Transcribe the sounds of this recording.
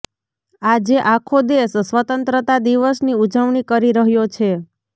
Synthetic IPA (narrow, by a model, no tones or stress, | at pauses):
ad͡ʒeʔakʰod̪essʋət̪ənt̪ɾət̪ad̪iʋəsniud͡ʒəʋɳikəɾiɾəɦjot͡ʃʰe